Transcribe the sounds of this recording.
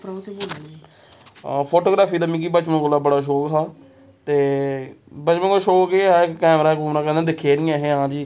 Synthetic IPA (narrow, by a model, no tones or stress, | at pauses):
pɾt̪ːboːl | pʰoːʈoːɡɾaːpʰiːd̪aːmĩːkiːbət͡ʃməkolaːbəɽaːʃoːkt̪ʰaː | t̪eː | bət͡ʃmə̃koʃoːkkeːaɪkkɛːmɾaːkoːmnaːkɛ̃nd̪ẽːd̪ɪkʰːeːɾɪːãːɦẽːãːd͡ʒiː